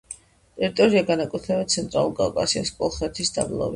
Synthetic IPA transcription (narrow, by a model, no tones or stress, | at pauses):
t̪ʼɛɾit̪ʼɔɾiaɡanakʼwɛt̪ʰlɛbɛt̪̚tsʰɛnt̪ʼɾalˠuɾˠɡa̰kʼasiaskʼɔlˠχɛt̪ʰisd̪a̰blˠɔ̰vi